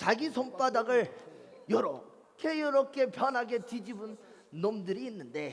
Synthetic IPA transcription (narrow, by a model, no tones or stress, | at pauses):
t͡ɕaɡisʰomp͈adaɡɯɭjʌɾʌ | kʰe̞jʌɾʌkʰe̞pjʌnɦaɡe̞tid͡ʑibɯnː | omdɯɾiːnːɯnde̞